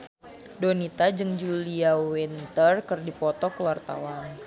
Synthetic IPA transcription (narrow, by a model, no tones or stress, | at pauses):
donit̪ad͡ʒɨŋd͡ʒuliawint̪ərkɨrdipɔt̪ɔkəwart̪a̰wan